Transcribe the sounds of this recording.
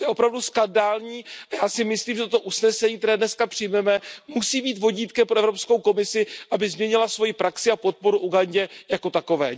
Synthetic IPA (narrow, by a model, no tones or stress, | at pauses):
jɛo̞pɾavduskandaːlɲiːʔajaːsɪmɪsliːmʒɛt̪ot̪oʔusnɛsɛɲiːkt̪ɛɾɛːdnɛskapr̝̥ɪjmɛmɛmusiːbiːt̪vo̞ɟiːt̪kɛmpɾoʔɛvɾo̞pskowko̞mɪsɪʔabɪzmɲɛɲɪlasvo̞jipɾaksɪapo̞t̪̚po̞ɾuʔuɡaɲɟɛjako̞t̪ako̞vɛ̰ː